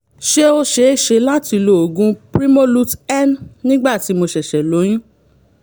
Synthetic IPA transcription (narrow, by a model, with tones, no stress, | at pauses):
ʃe˦o˧ʃe˧˦ʃe˧la˦ti˧lo˨o˨ɡũ˧pɾi˦mo˦lu˦tɛ˦nnĩ˦ɡ͡ba˦˨ti˨˦mo˧ʃɛ˨ʃɛ˨lo˨˦j̃ĩ˦